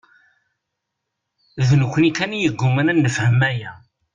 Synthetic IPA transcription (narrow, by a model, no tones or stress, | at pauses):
ðnəkʷːənikːænijəɡːumənænːəfhəmːæjæ